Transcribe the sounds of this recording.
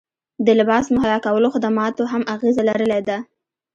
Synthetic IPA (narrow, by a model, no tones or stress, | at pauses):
d̪əlɪbɑsmʊɦajɑkawəloxɪd̪amɑt̪oɦamaɣezalaɾəled̪a